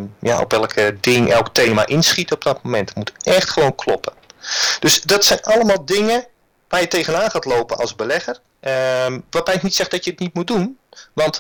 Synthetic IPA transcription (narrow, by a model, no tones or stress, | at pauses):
ja̰ʔo̰pɛlˠkʰədɪŋʔɛlˠkteːma̰ʔɪnsχitəɔb̚dɔtmomɛntmutɛxtχəʋownkʰlɔpʰəd̥øsdɔtsɛjnɑləmaːlˠdɪŋə | ʋaːjətejɣənaːnχaːtloːpənɑ̰lˠsbəlɛɣər | ʋarbɛjknitsɛxdɔtjəətnit̚mut̚dunʋɑnt